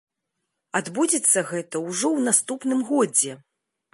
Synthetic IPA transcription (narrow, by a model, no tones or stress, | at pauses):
ad̪bud͡zʲɛt̪sːɐɣɛt̪ɐwʐɔwnast̪upnɨmɣɔd͡zʲɛ